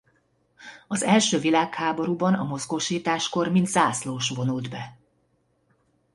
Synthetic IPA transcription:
ɒzɛlʃøːvilaːkhaːbo̞ɾuːbɒnɒmo̞zɡo̞ʃiːt̪aːʃko̞rmint̪z̥aːsloːʃvo̞nuld̪bɛ

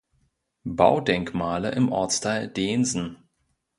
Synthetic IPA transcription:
ba̰ʊdɛŋkmaːlə̰ʔɪmʔɔ̰ɐt͡stʰaɪldeːnzn̩

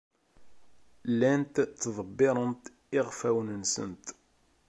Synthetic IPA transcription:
lænt̪t̪ːðˤəbːɪɾˤənt̪ | ɪʁfæwnənsə̰nt̪

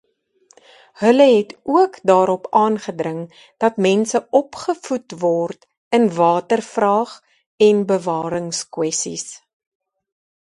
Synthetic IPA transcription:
hələɦɛtuəkdɑːɾɔpɑːnχədrəŋ | d̥ɐtmɛnsəɔpχəfutvɔrt | ənvɑːtərfrɑːχ | ɛnbəvɑːɾəŋskwɛsḭs

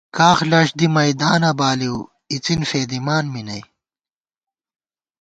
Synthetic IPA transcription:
kaːxlɐʂd̪imɐjd̪aːnɐbaːliw | it͡sinfeːd̪imaːnminɐj

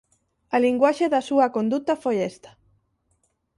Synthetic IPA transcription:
ɐliŋɡwaʃeðɐsuɐkond̪ut̪ɐfojest̪ɐ̥

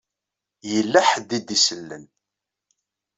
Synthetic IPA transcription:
jəlːæħəd̪id̪isəlːə̰n

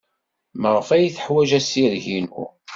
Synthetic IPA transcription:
məʁəfæjθə̥ħwæʒæsiɾʝinṵ

